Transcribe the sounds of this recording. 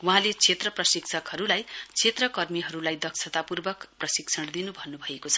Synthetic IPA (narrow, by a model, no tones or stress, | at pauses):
wɦãlet͡sʰet̪rʌprʌsiksʰʌkɦʌɾulajt͡sʰet̪rʌkʌrmiɦʌɾulajd̪ʌksʰʌt̪apurbʌkprʌsiksʰʌɽd̪inubʱʌnːubʱʌekot͡sʰʌ̥